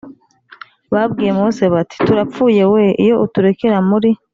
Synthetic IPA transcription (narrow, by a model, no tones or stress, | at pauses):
βabɡiːjemose̞βati̥tuɾapp͡fuːje̞we̞ʔijo̞ʔutuɾe̞keɾamuɾi